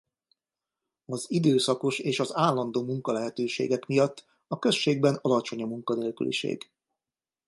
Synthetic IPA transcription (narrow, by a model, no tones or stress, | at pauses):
ɒzid̪øːsɒko̞ʃeːʃɒzaːlːɒnd̪oːmuŋkɒlɛɦɛt̪øːʃḛːɡɛkmijɒt̪ː | ɒkø̞sʃeːɡ̚bɛnɒlɒt͡ʃo̞ɲɒmuŋkɒneːlky̰lḭʃḛːɡ